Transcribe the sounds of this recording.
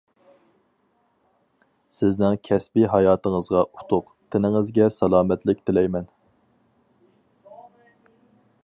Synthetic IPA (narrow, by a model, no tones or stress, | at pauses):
sɪznɪŋkʲʰɛspiɦɑjɑːt̪əŋəzʁɑʔut̪ʰʊq | t̪ʰɪnɪŋɪzɡʲɛsɑlˠɑːmɛt̪lɪk̚ʲt̪ʰɪlɛjmɛn